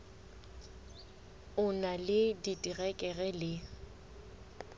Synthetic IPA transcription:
ʊnalɪditʼiɣɛkʼɛɣɛlɪ

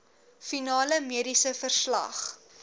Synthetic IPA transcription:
finɑːləmiəɾisəfərslɐ̰χ

